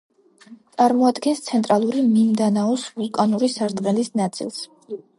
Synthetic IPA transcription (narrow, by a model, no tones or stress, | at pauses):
t̪sʼaɾmɔad̪ɡɛnst̪sʰɛnt̪ʼɾalˠuɾimimd̪anaɔsvulˠkʼanuɾisaɾt̪ʼqʼɛlisnat̪sʼḭlˠs